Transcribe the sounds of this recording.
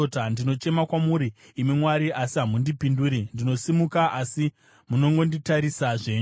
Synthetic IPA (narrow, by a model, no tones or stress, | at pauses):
otandino̞t͡ʃe̞makwamuɾiː | mimwaɾiʔasiɦamundipinduːɾindino̞simukaʔasi | muno̞ŋɡo̞nditaɾisaʐe̞ːɲu